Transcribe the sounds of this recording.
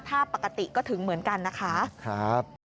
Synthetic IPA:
pʰaː˥˩pːa˨˩ka˧t̪i˨˩kɔː˥˩t̪ʰɯ˩˦ŋmɯ˩˦ənka˧nːa˦˥kʰa˦˥kʰɾa˦˥p̚

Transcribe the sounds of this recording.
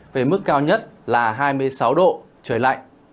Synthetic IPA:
ve˨˩mɨ˦˥k̚ːaː˧wɲə˦˥t̚laː˨˩ɦaː˧jmɨ˧əjsa˨˦wɗo̰˧˨ | t͡ɕəː˧˩jla̰˧˨jŋ

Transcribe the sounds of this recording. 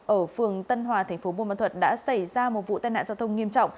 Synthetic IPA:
ʔəː˧˩fɨ˨˩əŋt̪ə˧nɦwaː˨˩t̪ʰɛ˨˩ŋ̟fo˨˦ɓṵ˧˨ma̰˧˨t̪ʰə˨˩t̚ɗa̰ː˧˥sa˧˩jzaː˧mo˨˩t̚vṵ˧˨t̪aː˧jna̰ː˧˨za˧wt̪ʰə˧wŋ͡mŋi˧əmt͡ɕɔ̰˧˨wŋ͡m

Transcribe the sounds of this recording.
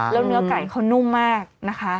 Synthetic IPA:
lɛː˦˥wnɯ˦˥ɐka˨˩jkʰa˦˥wnu˥˩mːaː˥˩k̚na˦˥kʰa˦˥ʔ

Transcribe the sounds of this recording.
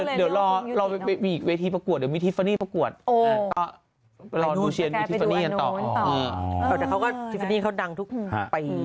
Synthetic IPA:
di˨˩˦wlɔː˧lɔː˧wmiː˧ʔiː˨˩k̚weː˧t̪ʰiː˧pɾa˧ku˨˩t̪̚di˩˦miː˧t̪ʰfa˧niː˥˩pa˧ku˨˩ət̪̚ːa˧˩k̪ɔː˥˩ | lɔː˧nuː˧t͡ɕʰi˧nmiː˧tʰfa˧niː˥˩ka˧nt̪ɔ̰ː˨˩ʔɤː˧˩ɛː˨˩taː˨˩kʰwkɔː˥˩t̪ʰi˦˥fa˧niː˥˩kʰa˥˩da˧ŋt̪ʰu˦˥k̚a̰˧pa˧j

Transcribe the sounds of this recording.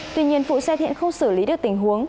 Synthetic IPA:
t̪wi˧ɲi˧ənfṵ˧˨sɛ˧t̪ʰḭ˧˨ənxə˧wŋ͡msɨː˧˩li˨˦ɗɨ˨˩ək̚t̪ï˨˩ŋ̟ɦu˨˦əŋ

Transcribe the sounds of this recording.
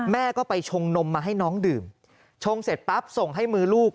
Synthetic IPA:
mɛː˥˩kɔː˥˩pa˧jt͡ɕʰo˧ŋno˧mːaː˧ɦa˥˩jnɔː˦˥ŋdɯː˨˩m | t͡ɕʰo˧ŋse˨˩t̪̚pa˦˥p̚so˨˩ŋɦa˥˩jmɯː˧luː˥˩k̚

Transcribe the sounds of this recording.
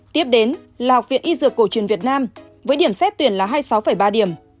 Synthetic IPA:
t̪i˦˥əp̚ɗe˨˦n | laː˨˩ha˨˩wk͡p̚vḭ˧˨nʔi˧zɨ˨˩əkːo˧˩t͡ɕwi˧˩ənvi˨˩ət̚naː˧m | vəː˨˦jɗi˧˩əmsɛ˦˥t̚t̪wi˧˩ənlaː˨˩ɦaː˧jsa˨˦wfə˧˩jɓaː˧ɗi˧˩əm

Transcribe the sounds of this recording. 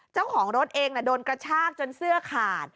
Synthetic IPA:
t͡ɕa˥˩wkʰɔː˩˦ŋɾo˦˥t̪̚ʔeː˧ŋna˧˥˩doː˧nkɾa˧t͡ɕʰaː˥˩k̚t͡ɕo˧nsɯ˥˩ɐkʰaː˨˩t̪̚

